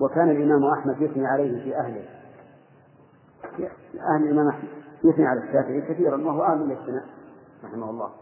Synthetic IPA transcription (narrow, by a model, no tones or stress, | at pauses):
wakaːnalʔɪmaːmʔaħmad̪jʊθniʕalejhɪfiʔahlɪh | ʔahlɪlʔɪmaːmʔaħmad̪jʊθniʕalaʃːaːfɪʕiːkaθiːɾˤanwahʊwʔaːmɪlfθɪnaːʔɾˤɑħɪmahʊlˤːɑ̰ːh